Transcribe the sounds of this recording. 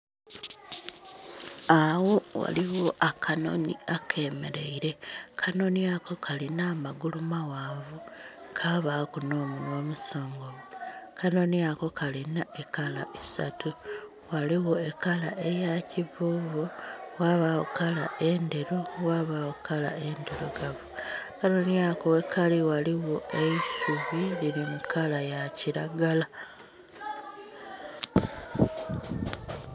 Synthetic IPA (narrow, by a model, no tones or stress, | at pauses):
awo̞wa̰liwo̞ʔakʰano̞̰nḭakʰe̞me̞̰ɾe̞iɾe̞kʰano̞niako̞kʰalinaːmaɡulumawaːvukʰaβakunoːmulwomuso̞ːŋɡomukano̞niako̞kʰalinaʔekala̰ʔisa̰tu | waliwoe̞kalaʔe̞jacivuːvuɣwaβaokalaʔe̞nde̞ɾuwaβawokʰala̰e̞ndeɾoɡavukano̞niakoekʰaliwaliɣoʔeisuβiliɾimukʰalajaciɾaɡala